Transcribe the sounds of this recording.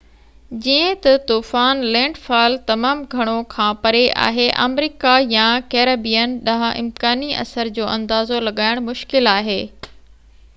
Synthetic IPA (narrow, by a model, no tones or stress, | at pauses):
d͡ʑiə̃t̪ɐt̪uːfaːnlɛ̃ːɳɖfaːlt̪ɐmaːmɡʱɐɽ̃okʰãːpɐɾeʔa̰ːɦeʔa̰ːmɾiːkajãkeːɾɐbijənɗɐɦʔɪ̰mkaːniʔɐ̰səɾd͡ʑoːʔɐ̃nd̪aːzolɐɠaːɪɽ̃mʊʃkɪlaːɦeː